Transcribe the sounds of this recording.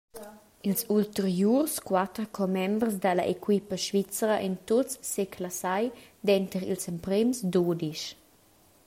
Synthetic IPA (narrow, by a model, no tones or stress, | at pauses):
ilsult̪əɾjurskwat̪ɾkʰɔmɛmbrsd̪əlaʔekwipəʃvit͡səɾəʔɛnt̪ott͡sːekʰlasajd̪ɛnt̪əɾḭlsɛmpɾemsd̪odiʃ